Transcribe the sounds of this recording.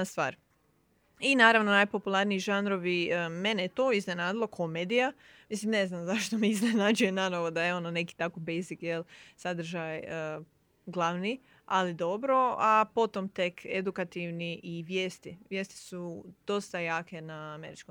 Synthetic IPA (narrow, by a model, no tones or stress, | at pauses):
st̪ʋa̰ːɾ | inaːɾaʋno̞najpo̞pulˠaɾniiʒanɾo̞ʋime̞nejt̪oizne̞naːd̪ilˠokʰo̞meːd̪ija | mislimne̞znamzaʃt̪omeizne̞naːd͡ʒujenanoʋod̪ajeo̞none̞ki̥t̪akobejzikjelˠsad̪ɾ̩ʒajə | ɡlˠaʋni | alid̪o̞bɾo̞apo̞t̪o̞mt̪e̞kʰed̪ukat̪iʋniʔiʋjeːst̪iʋje̞ːst̪i̥sud̪̥o̞st̪ajaːke̞naːme̞ɾit͡ʃko